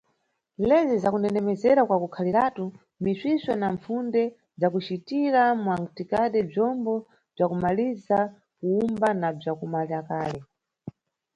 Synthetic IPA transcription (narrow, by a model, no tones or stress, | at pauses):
lɛzizakunɛnɛmɛzɛɾakwakukʰaliatu | misiswɛnaɱfundɛ | d͡zakut͡ʃitiɾamuwaŋtikaɗɛb͡ʐjɔmbɔ | b͡ʐakumaliza | kuumbanab͡ʐakumaliɾakaːlɛ